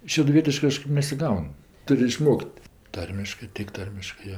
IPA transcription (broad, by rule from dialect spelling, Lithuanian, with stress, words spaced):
ʃʲɛdʊˈʋʲiɛtʲɪʃkɜ ˈkɑːʃkɜp nʲɛsʲɪˈɡɐʊn ˈtʊrʲ ɪˈʃmoːkʲtʲ ˈtɐrʲmʲɪʃkɜ tʲɪk ˈtɐrʲmʲɪʃkɜ ˈjoː